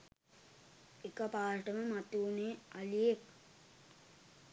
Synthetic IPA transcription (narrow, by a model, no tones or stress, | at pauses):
ekəpaːʈəməmat̪uːnealijek̚